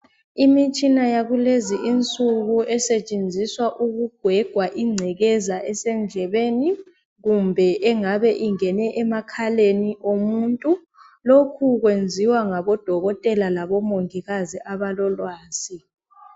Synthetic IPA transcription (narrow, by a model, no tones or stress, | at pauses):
imit͡ʃʼinajaɣuleziʔint͡sʼuɣuɛsɛt͡ʃʼend͡zʱiswaʔuɣuɡ̥ʱwɛɡ̥ʱwaʔiŋ͡ǀʱɛɣɛzaʔɛsɛnd͡ɮʱɛβeːni | ɣumbʱɛʔɛŋaβɛʔiŋɛnɛʔɛmakʰaleniʔomuːntʼu | lokʰuɣwend͡zʱiwaŋaβɔd̥ʱɔɣɔtʼɛlalaβɔmoŋiɣaziʔaβalɔlwaːsi